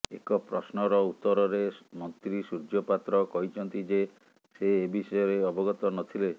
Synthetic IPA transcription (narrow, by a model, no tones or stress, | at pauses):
ḛkɔpɾɔsnɔɾɔut̪ːɔɾɔɾemɔnt̪ɾisud͡ʒɔpat̪ɾɔkɔɦit͡ʃʰɔnt̪id͡ʒe | seːbisɔjɔɾeɔbɔɡɔt̪ɔnɔt̪ʰile